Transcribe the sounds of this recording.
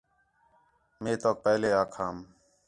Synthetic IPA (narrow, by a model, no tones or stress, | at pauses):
mẽːt̪oːk̚pəːleːaːkʰaːm